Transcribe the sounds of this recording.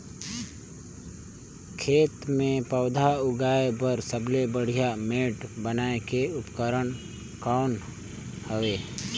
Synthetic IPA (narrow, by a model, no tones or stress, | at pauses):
kʰeːt̪mẽpəʊd̪ʱaʊɡaːebəɾsəblebəɽ̤ijameːʈbənaːekeʊpkəɾəɽ | kaʊn | həʋeː